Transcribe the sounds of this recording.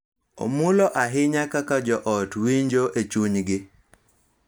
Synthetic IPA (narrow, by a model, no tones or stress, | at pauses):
o̰mulɔʔaɦɪɲakakad͡ʒɔʔɔtwiɲd͡ʒoʔet͡ʃuɲɡɪ